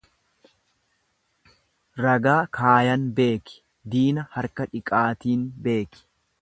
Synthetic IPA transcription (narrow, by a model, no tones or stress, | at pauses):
ɾɐɡaːkʰaːjɐnbe̞ːkɪ̥ | d̪iːnɐhɐɾkɐᶑɪkʼaːt̪iːnbe̞ːkɪ̥